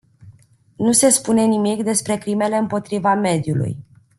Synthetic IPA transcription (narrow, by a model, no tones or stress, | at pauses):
nuse̞spune̞nimikd̪e̞spɾe̞kɾime̞le̞ɨmpo̞t̪ɾivame̞d̪julṵj